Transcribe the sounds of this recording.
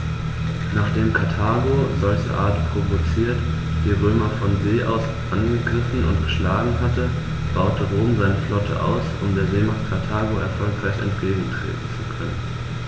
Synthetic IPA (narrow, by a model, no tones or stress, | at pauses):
naːχd̥eːmkʰaɐtʰaːɡozɔlçə̰ʔaːɐtpʁ̥ovot͡siːɐt | v̥iːʁøːmɐfɔnzeːʔa̰ʊs | ʔanɡəɡʁɪfn̩ʊ̰ntɡ̥əʃlaːɡŋ̩ɦatə | b̥aʊtʰəʁoːmzaɪnəflɔtʰə̰ʔa̰ʊsʊ̰mdeːɐzeːmaχt̚kʰaɐtʰaːɡoʔɛ̰ɐfɔlkʁ̥aɪçɛ̰ntɡ̥eːɡŋ̩tʁ̥ḛːtn̩t͡sukʰœnən